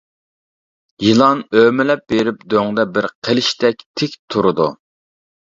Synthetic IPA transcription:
jilˠɑnømɪlɛp̚beɾɪp̚d̪øŋd̪ɛbɪɾqʰelɪʃt̪ʰɛkʲt̪ʰɪkʲt̪ʰuɾʊd̪u

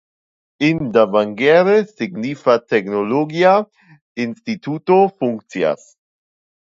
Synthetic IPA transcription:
ʔɪndavaŋɡɛːɾəsɪɡniːfatʰɛknoloɡia | ɪnstitʰuːtofʊŋk̚t͡sia̰s

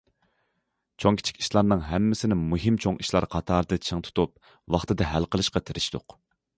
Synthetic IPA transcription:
t͡ʃʰoŋkʲʰi̥t͡ʃʰi̥kʲi̥ʃlˠɑɾnɨŋɦɛmːɪsɪnɪmuɦɪmt͡ʃʰoŋiʃlˠɑɾqʰɑt̪ʰɑːɾd̪ɨt͡ʃʰəŋt̪ʰu̥t̪ʰup̚ | wɑχt̪ɨd̪ɨɦælqəlˠɨʃqɑt̪ʰɪɾɪʃt̪ʊq

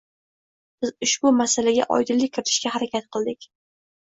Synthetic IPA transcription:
b̥ɪzʊʃbʊmasalaɡʲa̰ʔɒ̰jd̪ɪlːɪkʰʲːɪɾɪt̪ʰɪʃkʲahaɾakʲʰat̪̚qʰɨlˠd̪ɪkʲ

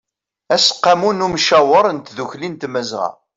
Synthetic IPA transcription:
æsə̥qːamunumʃæwəɾˤənt̪ðuçlint̪məzʁɑ̰

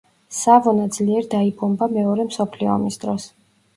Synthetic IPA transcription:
savɔnad̪z̥liɛɾd̪aibɔmbamɛɔɾɛmsɔpʰliɔ̰misd̪ɾɔs

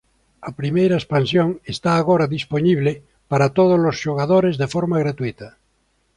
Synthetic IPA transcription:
apɾimejɾaespansjoŋest̪aːɣoɾaðisponiβ̞le | paɾat̪oðozlosʃoɣ̞aðoɾezðefoɾmaɣɾat̪uit̪a

